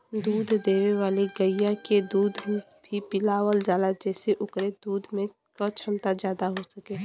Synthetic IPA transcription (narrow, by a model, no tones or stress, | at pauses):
d̪uːd̪ʱd̪eːweʋaːleɡəɪjaked̪uːd̪ʱ | bʱipɪlaːwəld͡ʒaːlad͡ʒɛːseʔʊkɾed̪uːd̪ʱmẽ | kat͡ʃʰəmt̪azjaːd̪aɦosəkeː